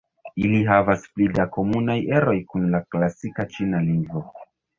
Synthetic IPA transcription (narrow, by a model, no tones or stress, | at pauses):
iliɦavasplidako̞munaje̞ɾo̞jkunlaklasikat͡ʃinaliŋɡvo̞